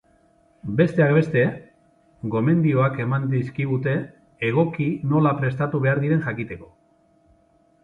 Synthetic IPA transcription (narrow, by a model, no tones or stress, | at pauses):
be̞st̪e̞akbe̞st̪e̞ | ɡo̞me̞nd̪io̞ake̞mand̪iskiɣ̞ut̪e̞ː | ɣ̞o̞kino̞lapɾe̞s̬t̪at̪uβ̞e̞aɾðiɾe̞nʝakit̪e̞ko̞